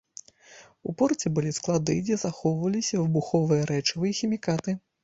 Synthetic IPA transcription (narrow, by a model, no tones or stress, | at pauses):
upɔrt͡sʲɛbɨlʲisklˠad̪ɨd͡zʲɛzaxɔwvɐlʲisʲɐvɨbuxɔvɨjɐɾɛt͡ʂɨvɨjɐxʲimʲikat̪ɨ